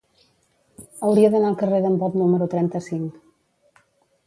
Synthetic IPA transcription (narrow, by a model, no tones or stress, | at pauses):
əwɾiəðənaəlˠkəreðəmbɔt̪numəɾut̪ɾɛnt̪əsiŋk